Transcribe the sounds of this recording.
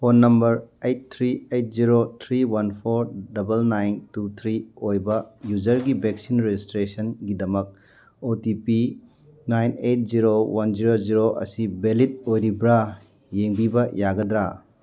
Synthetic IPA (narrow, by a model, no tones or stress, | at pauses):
ponːɐmbɐɾejt̚t̪ʰɾiejt̚ziɾot̪ʰɾiwɐnpʰoɾdɐbɐlnajntut̪ʰɾiojbɐjud͡ʒɐɾɡibeksinɾezistɾesɐnɡidɐmɐk̚ | otipi | najnejt̚ziɾowɐnziɾoziɾoʔɐ̰sibelit̚ojɾibɾa | jeŋbibɐjaɡɐd̪ɾa